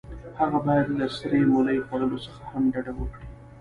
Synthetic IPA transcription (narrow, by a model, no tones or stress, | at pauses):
haɣabɑjad̪lasɾemolajxwaləlosəxahamɖaɖawəkɽi